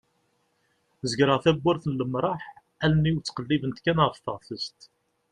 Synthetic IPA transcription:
zəɡɾəʁθæbʷːəɾθənləmɾˤɑħ | ælmiwt͡sːqəlːivənt̪kænəʁəfθəʁθəst̪

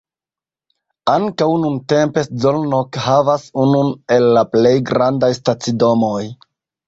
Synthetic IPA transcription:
aŋkawnunte̞mpe̞sd͡zo̞lnokhavasunune̞lːaple̞jɡɾandajstat͡sido̞mo̞j

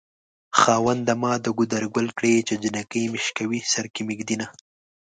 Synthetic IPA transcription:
xɑːwand̪amɑːd̪əɡud̪aɾɡʊlkɽet͡ʃed͡ʒinakəjmɪʃkawisaɾkimɪɡd̪ina

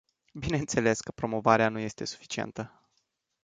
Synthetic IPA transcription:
bine̞ɨnt̪se̞le̞skəpɾo̞mo̞vaɾeanuje̞st̪e̞su̥fi̥t͡ʃie̞̰nt̪ə

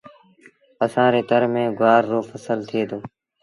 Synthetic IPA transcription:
əsãːɾeːt̪əɾmẽːɡʊaːɾːoːfʰəsəlt̪ʰɪeːd̪oː

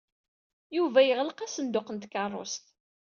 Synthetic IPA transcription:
juvæjəʁləqæsənd̪ʊqənt̪kɑrˤːo̰st̪

